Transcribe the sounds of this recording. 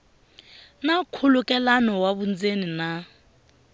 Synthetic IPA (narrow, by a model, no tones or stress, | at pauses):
nakʰulukʼɛlanɔwaβund͡zenina